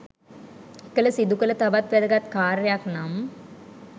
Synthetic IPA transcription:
ekːələsid̪ukələt̪abat̪ʋæd̪əɡat̪kaːɾəjaknam

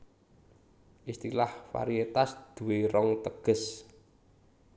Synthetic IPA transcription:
ʔist̪ilahfa̰ɾiet̪asd̪̥uweɾɔŋt̪əɡ̥ə̤s

